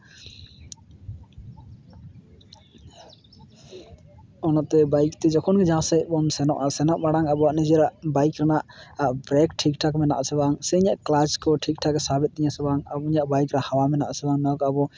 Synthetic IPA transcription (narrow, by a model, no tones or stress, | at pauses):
ɔnɔʔt̪ɛbajkt̪ɛd͡ʒɔkʰɔnɡɛd͡ʒãsɛʔbɔnsɛnɔ̰ʔasɛnɔʔbaɽaŋabɔaʔnid͡ʒɛɾaʔbajkɾanaʔaʔbɾɛkʈʰik̚ʈʰakmɛna̰ʔasɛbaŋsɛiɲaʔklaskɔʈʰik̚ʈʰaɡɛsabit̪̚d̪iɲasɛbaŋabɔuɲaʔbajkɾahawamɛnaʔasɛbaŋnakabɔ